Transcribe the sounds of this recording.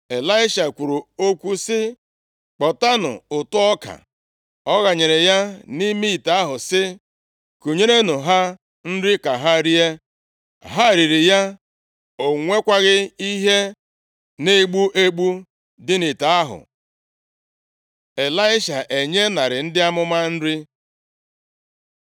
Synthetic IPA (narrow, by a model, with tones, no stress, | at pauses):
e˨la˦ɪ˦ʃa˨kʷu˨ɾu˨o˦kʷu˦sɪ˦ | k͡pɔ˨ta˦nʊ̰˨ʊ˨tʊ˦ɔ˦ka̰˨ | ɔ˦ɣa˨ɲe˨ɾe˨ja˦ni˦mi˦i˨ta˦a˦ɦʊ˨sɪ˦ | ku˨ɲe˦ɾe˦nʊ˨ɦa˦ | n̩˦ɾɪ˦ka˨ɦa˦ɾi˦e˦ | ɦa˦˨ɾi˨ɾi˨ja˦ | o˨ŋʷe˦kʷa˦ɣɪ˦i˦ɦe˦ | ne˦˨ɡ͡bu˦ʔe˦ɡ͡bu˦ | dɪ˦ni˨ta˨a˦ɦʊ̰˨ | e˨la˦ɪ˦ʃa˨ʔe˨ɲe˦na˨ɾɪ˨n̩˦dɪ˦a˦mʊ˦ma˦n̩˦ɾɪ˦